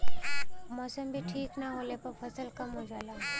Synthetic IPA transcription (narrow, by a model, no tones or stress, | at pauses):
mɔsəmbʱiʈʰiːknaɦolepəɾpʰəsəlkɐmɦod͡ʒaːlaː